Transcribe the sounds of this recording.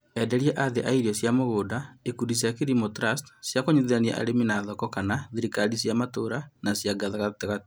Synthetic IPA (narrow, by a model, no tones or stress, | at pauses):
ɛdɛɾjɛʔaðeʔaiɾiɔsjamoɣoːdaekudis̬jakeɾimotɾastsjakoɲuðeania̰ʔa̰ɾeminaðɔkɔkanaðiɾikalis̬jamatoɾanasjaɡaðaɣateɣat